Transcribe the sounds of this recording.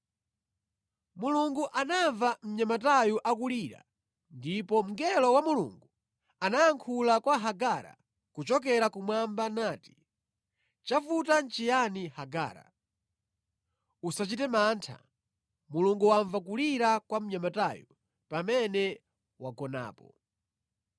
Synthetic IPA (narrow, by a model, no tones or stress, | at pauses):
muluŋɡuʔanaɱvam̩ɲamatajuʔakuliɾa̰ | ndipɔm̩ɡɛlɔwamulṵŋɡu | anajaŋkʰulakwaɦaɡaːɾa̰ | kut͡ʃɔk̬ɛɾakumwambanaːti̥ | t͡ʃafutant͡ʃijanihaɡa̰ːɾa̰ | usat͡ʃitɛmaːntʰa̰ | muluŋɡuwaɱvak̬uliɾakwam̩ɲamataju | pamɛnɛ | waɡɔna̰ːpɔ